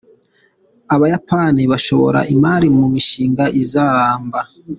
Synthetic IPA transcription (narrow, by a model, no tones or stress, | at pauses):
aβajapaniβaʃo̞̰βo̞̰ɾa̰ʔimaːɾimumiʃiːŋɡaʔizaɾaːmba